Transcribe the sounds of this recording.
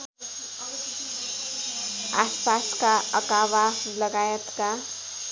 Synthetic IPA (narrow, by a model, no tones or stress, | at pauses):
aspaskaʌkawalʌɡajət̪ka